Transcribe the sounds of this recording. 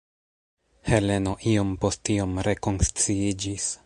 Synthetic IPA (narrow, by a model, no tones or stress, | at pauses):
he̞le̞no̞ʔio̞mpo̞stio̞mɾe̞ko̞nst͡siid͡ʒis